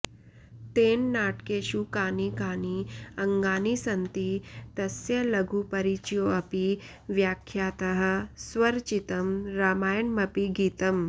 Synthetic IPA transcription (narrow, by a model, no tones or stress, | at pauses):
t̪eːnːaːʈkeːʃukaːnikaːniɐŋɡaːnisɐnt̪it̪ɐsjɐlɐɡʱupɐɾit͡ʃjoɐpi | ʋjaːkʰjaːt̪ɐɦɐ̆sʋɐɾt͡ʃit̪ɐmɾaːmaːjɐnmɐpiɡiːt̪ɐm